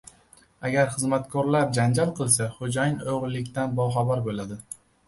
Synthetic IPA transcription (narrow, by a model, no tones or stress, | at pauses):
aɡʲaɾχɨzmat̪kʰɒɾlap̚d͡ʒand͡ʒalˠqʰɨlˠsaχod͡ʒajɪnoʁlːɪkʲt̪anbɒwχabaɾbolad̪ɪ